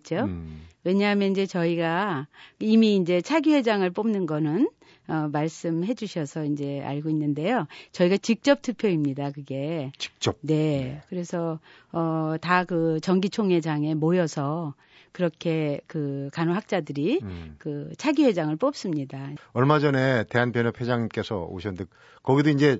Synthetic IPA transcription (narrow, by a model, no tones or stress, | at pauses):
t͡ɕ͈owe̞ɲaɦmjʌniɲd͡ʑe̞t͡ɕʌiɡa | imiːnd͡ʑe̞t͡ɕʰaɡiwe̞d͡ʑaŋɯɭp͈omnɯnɡʌnɯn | ʌmaɭs͈ɯmɦe̞d͡ʑuɕʰʌsʰʌind͡ʑe̞a̰ɭɡoinːɯnde̞jot͡ɕʌiɡat͡ɕik̚t͡ɕ͈ʌp̚tʰɯpʰjoimɲidakɯɡe̞t͡ɕi̥k̚t͡ɕ͈ʌp̚ne̞kɯɾe̞sʰʌ | ʌtakɯt͡ɕʌŋɡit͡ɕʰoŋe̞d͡ʑaŋe̞mojʌsʰʌ | kɯɾʌkʰe̞kɯkanoɦak̚t͡ɕ͈adɯɾikɯt͡ɕʰaɡiɸwe̞d͡ʑaŋɯɭp͈op̚s͈ɯmɲidaʌɭmad͡ʑʌne̞te̞ɦanpjʌnepʰed͡ʑaŋk͈esʰʌ̰o̰ɕʰʌnde | kʌɡidoind͡ʑe̞